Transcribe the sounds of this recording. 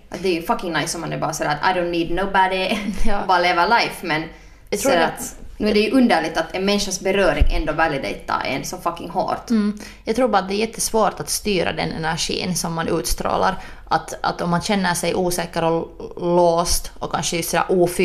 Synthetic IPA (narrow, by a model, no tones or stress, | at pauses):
ʔat̪̚d̪ɛɾjʉfakɪŋnaɪsɔmːanɛbɑːɾasɛæɾat̪a̰ɪdõʊnniːd̪noʊbad̪eɔbɑːɾalevəlaɪfmɛnʰ | ɾːat̪nʉːæɖɛjʉʔɵnd̪æɭɪɡ̚t̪at̪ɛnmɛnʂasbɛɾøːɾɪŋʔɛ̰nd̪ovælɪd̪ɛ̰ɪt̪ʰːa̰ʔɛ̰nsɔfɑkːɪŋɦo̰ːɾt̪ːjɑːɡt̪ɾuːɾbɑɾat̪̚d̪ɛæɾjɛt̪ʰːəsvoːʈat̪st̪yːɾa̰d̪ɛ̰nɛ̰næɾʂḭːnsɔmːanʔʉːt̪st̪ɾo̰ːla̰ɾʔat̪a̰t̪ɔmːanɕɛnːəʂɛjʔuːsɛːkəɾɔloːst̪ɔkʰːanʂəɛʉstːsɔd̪æ̰ːɾʔuːf